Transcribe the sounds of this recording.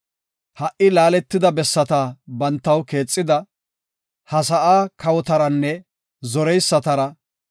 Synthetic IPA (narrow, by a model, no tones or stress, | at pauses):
hɐʔɪlaːlɛt̪ːɪd̪ɐbɛsːɐt̪abɐnt̪ːɐwke̞ːt͡sʼːɪd̪ɐ | hɐsɐʔaːkɐwɔt̪ɐɾɐnːɛ | zɔɾɛjsːɐt̪ɐɾɐ